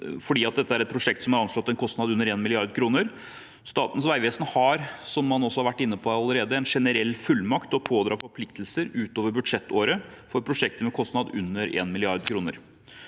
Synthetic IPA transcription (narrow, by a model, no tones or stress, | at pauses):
fɔɖiːɑt̪̚d̪ɛt̪ːəæɾɛt̪̚pʰɾʊʂɛk̚t̪sɔmhɑɾɑnʂɭɔt̪ːɛnkʰɔst̪nɑd̪ʉnːəɾeːnmɪlɪɑɾd̪kʰɾuːnəɾ | st̪ɑːt̪nsʋæɪʋeːsnhɑɾsɔmːɑnɔsɔhɑɾʋæʈːɪnːəpʰɔɑləɾeːd̪əɛnʂɛnəɾɛlːfʉlːmɑkt̪ɔpʰoːd̪ɾɑːfɔɾpʰlɪk̚t̪lsəɾʉːt̪oːʋəɾbʉd̪ʂɛt̪ːoːɾə | fɔɾpʰɾʊʂɛkt̪əmɛkʰɔst̪nɑd̪ʉnːəɾḛːnmɪlɪɑɾd̪kʰɾuːnə̰ɾ